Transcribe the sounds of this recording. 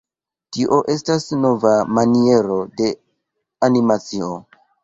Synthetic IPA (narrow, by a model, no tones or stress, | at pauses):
tiʔo̞ʔe̞stasno̞vamanie̞ɾo̞de̞ | animat͡sio